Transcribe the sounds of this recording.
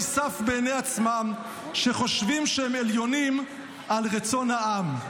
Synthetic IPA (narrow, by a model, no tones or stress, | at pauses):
safbeːneat͡smam | ʃeχo̞ʃvimʃehemeljo̞nim | ʔalʁet͡so̞nhaam